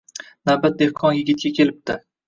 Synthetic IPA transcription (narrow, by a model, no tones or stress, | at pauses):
nabat̪̚d̪e̞hqʰɒnjɪɡʲɪt̪̚kʲakʲʰe̞lɪp̚t̪ɪ